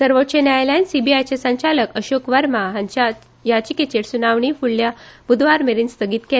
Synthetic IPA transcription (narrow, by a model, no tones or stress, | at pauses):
səɾʋotːt͡ɕenajlansibiajt͡ɕesaɲt͡ɕaləkəɕokʋəɾmaɦaɲt͡ɕa | jat͡ɕiket͡ɕeɽsunaʋɳifuɽljab̥ud̪ʱʋaɾmeɾiːnst̪ʰəɡiːt̪ke